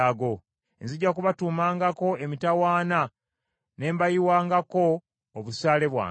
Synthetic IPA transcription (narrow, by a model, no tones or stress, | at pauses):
aɡo̞ | enziɟːakuβatuːmaːŋɡako̞emitawaːna | ne̞ːmbajiwaːŋɡako̞ː | βusaːle̞βwa̰ː